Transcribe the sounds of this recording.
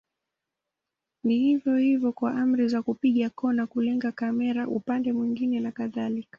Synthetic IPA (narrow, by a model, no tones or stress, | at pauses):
nihivjɔhivjɔkwaʔam̩ɾizakupiɠakɔnakulɛŋɡakamɛɾaʔṵpandɛmwiŋɡinɛnakaðalikḁ